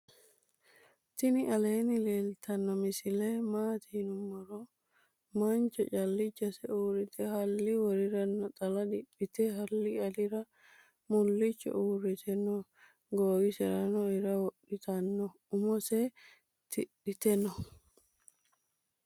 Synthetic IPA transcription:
t̪ɪnɪʔɐleːnɪleːlt̪ʰɐnːɔmɪsɪlemaːt̪ʰinʊmːɐɾɔ | mant͡ʃɔ̰t͡ʃʼɐlːɪt͡ʃːɐsɛuːɾɪt̪ʰɛhɐlːiwɔɾɪɾɐnːɔt̪ʼɐlɐd̪ɪb̥ːɪt̪ɛɦɐlːiɐlɪɾɐ | mʊlːɪt͡ʃːɔ̰ʔuːɾɪt̪ʰɛnɔ | ɡoːɡɪsɛɾɐnɔɪɾɐwɔɗɪt̪ɐnːɔ | ʊmɔsɛ | t̪ɪɗɪt̪ɛnɔ

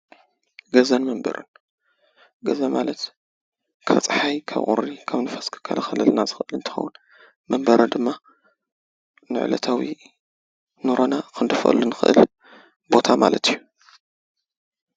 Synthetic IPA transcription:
ɡɐzɐnmɐmbɐ̰ɾʔɨn | ɡɐzɐmalɐt̪ | kʰt͡sʼħajkʰa̰βʔʼṵɾikʰaβnɨfɐskʰɨ̥kʰa̰lʔaxɐlɨlnazɨxɨʔɨlɨnt̪ʰɨ̥xɐ̰wun | mɐmbɐɾɨnd̪ɨmːa | nɨ̰ʕlɐ̰t̪ʰawi | noɾonakʰɨnd̪ɨfɨ̰lɨnːɨxɨʔɨ̰l | bo̞t̪ʰama̰lɐt̪ʰijːu

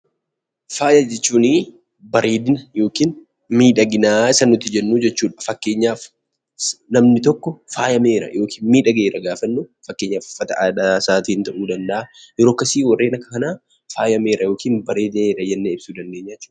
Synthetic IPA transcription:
faːjɐd͡ʒɛt͡ʃːuːniː | bɐɾe̞ːd̪ɪnɐjo̞ːkiːn | miːᶑɐɡɪnaːɪsɐnʊt̪ːɪd͡ʒɛnːuːd͡ʒɛt͡ʃːuːᶑɐ̥fɐkːe̞ːɲːaːf | nɐmnɪt̪ɔkːɔfaːjɐme̞ːɾɐ̰jo̞ːkʰi̥ːnmiːᶑɐɡeːɾɐɡaːfɐnːuːfɐkːeːɲːaːfʊfɐt̪ɐʔᶑasaːt̪iːnt̪ɐʔuːd̪ɐnd̪ɐʔajɛɾoːɐkːɐsiːwɐrːe̞ːnɐkːɐkɐnaː | faːjɐmeːɾɐjo̞ːkiːnbɐɾe̞ːd̪ɪneːɾɐjɐnːeɪb̥suːd̪ɐnd̪eːɲːaːt͡ʃːuː

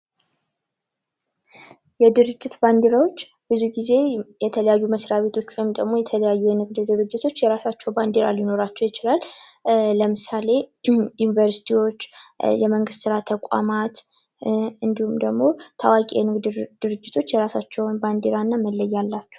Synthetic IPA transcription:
jɛd̪ɨɾɨd͡ʒːɪt̪band̪eɾawo̞t͡ʃː | b̥ɨzuɡize̞jɛt̪ʰələjajːuməsɾaβe̞t̪ʰo̞t͡ʃːwojmd̪əɡmo̞jɛt̪ʰələjajːujɛnɨɡd̪ɨd̪ɨɾɨd͡ʒːɪt̪ʰo̞t͡ʃːjɛɾasat͡ʃːɛwband̪eɾa̰ljɪno̞ɾat͡ʃːɛwjɪt͡ʃɪlal | ləmɨsale̞junivəɾsi̥t̪ʰiwo̞t͡ʃːjɛməŋɡɨst̪sɨɾat̪ʰəkʷʼa̰mat̪ | ɨnd̪ihumd̪əɡmo̞t̪ʰawakʼiɛnɨɡd̪d̪̥ɨɾɨd͡ʒːɪt̪ʰo̞t͡ʃːjɛɾasat͡ʃːɛwnband̪eɾanːaməlːəjːalːat͡ʃːɛ̥w

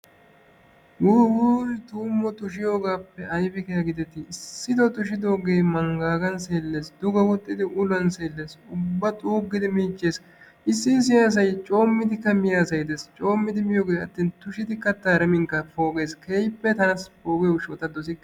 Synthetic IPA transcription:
wuwuːɾɪt̪uːmːɔt̪ʊʃɪjo̞ːɡaːpːɛɐjfɛkɛjɐɡɪd̪ɛt̪ːɪːsːɪd̪ɔt̪ʊʃ̬ɪd̪o̞ːɡe̞ːmɐŋɡaːɡɐnseːlːeːsd̪ʊɡɐwɔt̪ʼːɪd̪ɪʔʊlɐnseːlːe̞ːsʊbːɐt̪ʼuːɡːɪd̪ɪmiːt͡ʃʼːeːs | ɪsːɪns̬ɪjaːs̬ɐjt͡ʃʼo̞ːmːɪd̪ɪkːɐmɪjaːsɐjd̪eːst͡ʃʼo̞ːmːɪd̪ɪmɪjoːɡeːɐt̪ːiːnt̪ʊʃɪd̪ɪkːɐt̪ːaːɾɛmɪŋkːɐfo̞ːɡe̞ːskʰejpːɛt̪ɐnɐsfoːɡeʊʃot̪ɐd̪ɔsɪkː

